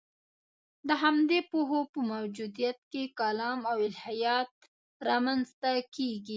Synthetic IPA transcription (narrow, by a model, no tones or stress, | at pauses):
d̪əɦamd̪epoɦopəmawd͡ʒud̪ijat̪̚kekalɑmawɪlhajɑt̪̚ | ɾɑmanzt̪akeɡi